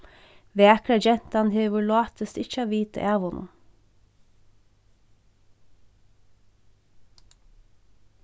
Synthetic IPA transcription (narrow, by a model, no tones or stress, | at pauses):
ʋeːækɽɑd͡ʒɛnt̪ɑnheːʋʊɭɑːt̪əst̪ɪçəɑːʋiːt̪ə̰ʔæːʋʊnʔʊ̰